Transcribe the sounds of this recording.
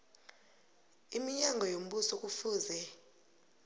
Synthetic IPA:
imiɲaŋɡʱɔjom̩ɓusɔk̬ʼufuːzɛ

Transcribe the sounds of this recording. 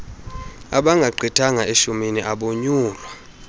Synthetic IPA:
a̰ɓaŋɡʱaǃʱitʰaŋaeʃuminiʔaɓoɲuːlwa

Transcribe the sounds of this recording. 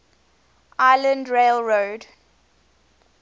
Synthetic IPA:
ʔʔaɪlə̃ndɹelɹoːd

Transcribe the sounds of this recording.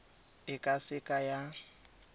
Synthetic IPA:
ɪkʼasɪkʼaja

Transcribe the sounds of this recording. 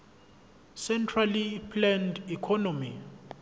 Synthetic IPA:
sɛntʰralipʰlɛndikʰɔnomi

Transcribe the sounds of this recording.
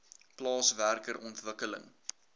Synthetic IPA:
plɑːsværkəɾʔɔntvəkələ̰ŋ

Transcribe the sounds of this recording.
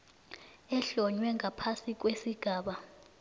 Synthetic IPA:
ɛɬɔɲwɛŋapʰasik̬ʼwesiɡ̥ʱaːɓa

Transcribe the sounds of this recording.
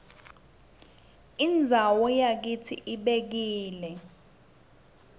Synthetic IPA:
ind͡zʱawɔjak̬itʰḭʔiɓek̬iːlɛ

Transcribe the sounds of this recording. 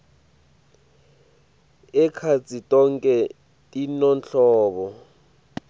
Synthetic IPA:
ɛkʰat͡sʼitʼɔŋkʼɛ | tʼinɔnt͡ɬɔːɓɔ

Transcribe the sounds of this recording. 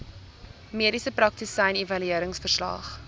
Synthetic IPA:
miəɾisəpɾɐk̚tisɐjnevɐlyiəɾəŋsfərslɑ̰ːχ

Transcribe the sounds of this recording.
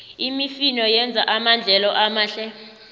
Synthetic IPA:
imifinɔjɛnd͡zʱaʔamand͡ɮʱɛlɔʔamaːɬɛ

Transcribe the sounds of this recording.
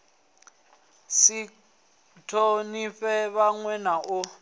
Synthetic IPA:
si | tʰoniɸɛβaŋwɛnaʔʊ

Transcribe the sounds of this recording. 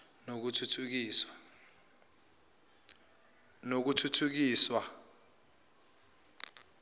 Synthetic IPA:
nok̬utʰutʰuk̬iːswḁ | nok̬utʰutʰuk̬iːswa

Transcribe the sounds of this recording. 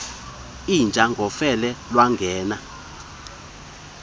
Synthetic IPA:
ind͡ʒʱaŋɡʱɔfɛlɛlwaŋɡʱɛːna

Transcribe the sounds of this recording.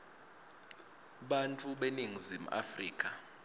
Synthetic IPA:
ɓantʼuɓeniŋizim̩a̰frḭːkʼa

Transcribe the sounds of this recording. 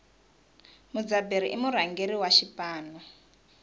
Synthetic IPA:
mud͡zabeɾiʔimuɾaŋɡeɾiwaʃipaːna

